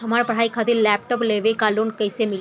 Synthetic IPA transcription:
əmaɾpəɽ̤aikʰat̪iɾlɛp̚ʈəpleʋekalunkəjsemil

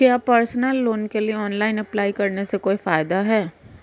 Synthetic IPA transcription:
kjaːpəɾsnəlːoːnkelieɔːnlaːɪnɐplaːikɐɾnesekoːifaːɪd̪aɦɛː

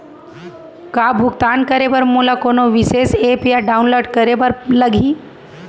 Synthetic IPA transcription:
kabʱuɡ̚t̪ankəɾeʋəɾmolakonoʋisesepijaɖaunloɖkəɾebəɾləɡʱiː

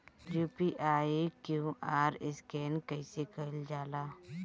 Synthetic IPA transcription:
juːpiːʔaːkjuʔaːɾɪskɛːnkəɪsekəld͡ʒaːlaː

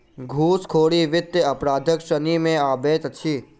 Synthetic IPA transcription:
ɡʱuːskʰoːɽiʋɪt̪jəəpɾaːd̪ʱəkʃənimẽaːbet̪t͡ʃʰi

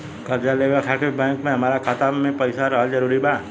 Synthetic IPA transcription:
kɐɾd͡ʒaleːʋəɾfʰɛːkʈɪbbɛ̃ːŋkmẽɦɐmaːɾakʰat̪amẽpɐɪsaɾaɦad͡ʒɐɾuːɾibaː

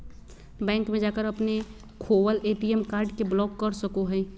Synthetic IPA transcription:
bɛ̃ːŋkmẽd͡ʒaːkəɾɐpne | kʰoːwəleːʈiɛmkaːɾɖkeblɔːkːəɾsɐkoɦɛ̃ː

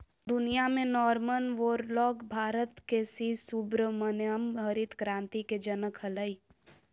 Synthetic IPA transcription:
d̪ʊnijamẽnɔːɾmənʋoːɾlɔːɡbʱaːɾət̪kesisubɾəmənəmɦəɾit̪kɾãːnt̪iked͡ʒənəkʰɦələi

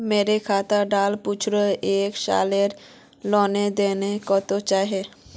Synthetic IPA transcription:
meɾekʰat̪aɖalput͡ʃʰɾoekʃa̰leɾ | lɔned̪enekɔt̪ot͡ʃaɦe

